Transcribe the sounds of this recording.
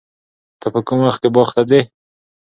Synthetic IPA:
t̪apəkʊmwaxt̪kebɑχt̪ad͡ze

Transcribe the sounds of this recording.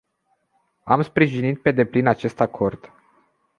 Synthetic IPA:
amspɾiʒinit̪̚pe̞d̪e̞plinat͡ʃe̞st̪akʰo̞rd̪̥

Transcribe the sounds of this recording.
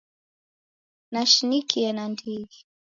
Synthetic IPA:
naʃinikiɛnandiɡi

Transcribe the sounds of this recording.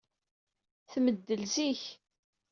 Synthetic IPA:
θməd̪ːəlziç

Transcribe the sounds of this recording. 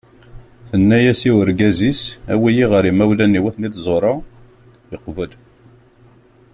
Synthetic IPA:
θənːæjæsiwəɾɡæzisæwijiʁəɾimæwlænːiwæθnit̪zˤoɾˤɑ | əqːvəl

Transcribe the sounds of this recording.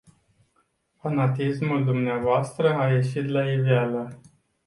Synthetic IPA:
fanat̪ismuld̪umneavoast̪ɾəaje̞ʃit̪laivealə

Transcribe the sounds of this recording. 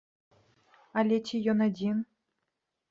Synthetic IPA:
alʲɛtʲijɔnad͡zʲin

